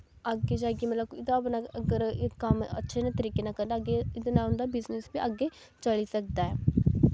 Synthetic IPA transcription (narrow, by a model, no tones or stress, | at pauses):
əɡːed͡ʒaːɡimət̪ləbɪd̪ãpnaəɡəɾɪkːəmə̰tːʃʰenãːt̪əɾiːkenakəɾnd̪aːɡeɪd̪anaːʊnd̪aːbɪznesbiːʔəɡːeː | t͡ʃəɭiːsək̚d̪aːɛː